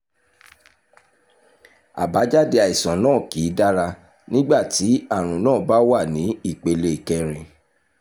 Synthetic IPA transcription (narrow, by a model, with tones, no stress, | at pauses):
a̰˨ba˨˦d͡ʒa˦˨de˦a˨i˨sɔ̃˨nãː˦˨kiː˨˦da˦ɾa˧ | nĩ˦ɡ͡ba˦˨ti˨˦a˦˨ɾ̃ũ˨nãː˦˨ba˦wa˦˨nĩ˨˦i˦˨k͡pe˧le˧i˨kɛ˧ɾ̃ĩ˨˧